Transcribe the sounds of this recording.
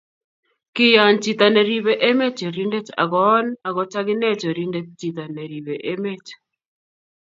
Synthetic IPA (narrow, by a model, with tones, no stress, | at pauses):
kɪ˦ja˨nt͡ʃi˨t̪a˨ne˨ɾi˨βe˦ʔe˦me˦t͡ʃe˨ɾi˦nde˦t͡ʃa̰˨ɡɔ˦na˨ɡɔ˨t͡ʃa˦ɡɪ˦ne˦t͡ʃɔ˨ɾi˦nde˦t͡ʃ̚t͡ʃi˨t̪a˨ne˨ɾi˨βe˨ʔe˦me˦t͡ʃ